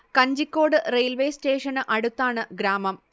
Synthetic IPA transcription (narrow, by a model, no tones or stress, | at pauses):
kɐɲd͡ʑikʲːo̞ːɽɨrejlʋejste̞ːʂɐnɨʔɐɽut̪ːaːɳɨɡɾaːmɐm